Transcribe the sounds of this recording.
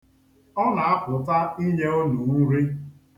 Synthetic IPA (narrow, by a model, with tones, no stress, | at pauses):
ɔ˦na˨a˦kʊ˨ta˦i˦ɲe˦o˦nu˨˦ɾi˦